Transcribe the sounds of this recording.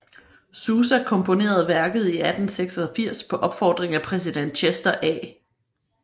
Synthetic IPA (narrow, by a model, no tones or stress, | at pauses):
suːs̬ækʰɔ̽mpʰo̝ne̝̰ːɐð̞̩ˠʋæɐɡ̥əð̞̩ˠiæd̥n̩seɡ̥sɒfiɐ̰spʰɒ̽ʔɒ̽b̥fɒːd̥ʁeŋæpʰʁɛs̬id̥en̰d̥ɕʰesd̥ɐʔɛ̰ː